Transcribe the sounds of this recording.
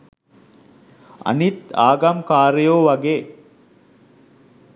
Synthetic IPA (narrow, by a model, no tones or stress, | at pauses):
ɐ̰nit̪a̰ːɡɐmkaːɾəjoːʋɐɡeː